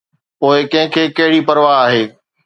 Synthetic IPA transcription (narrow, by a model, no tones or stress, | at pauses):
poːɪkɐ̃ɦɪ̃kʰeːkɐɦɪɽipɐɾʋaaːɦeː